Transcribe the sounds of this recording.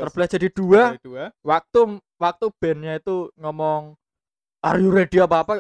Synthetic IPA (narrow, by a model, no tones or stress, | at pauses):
t̪ərb̥ladd͡ʒ̥a̤did̥uawak̚t̪u | wak̚t̪ub̥ɛ̤nɲait̪uŋɔmɔŋ | ʔa̰rjuɾeɖ̥iapaːpa